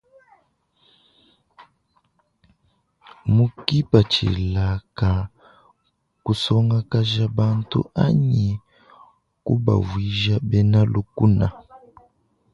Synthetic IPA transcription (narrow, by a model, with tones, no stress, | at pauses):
mu˦ki˦pa˨t͡ʃḭ˨la˨ka˨ | ku˨sɔ˦ŋa˦ka˦ʒa˦ba˦ntṵ˦a̰˦ɲi˨ | ku˦ba̰˨vi˦ʒa˦bɛ˦na˦lu˦ku˦na˨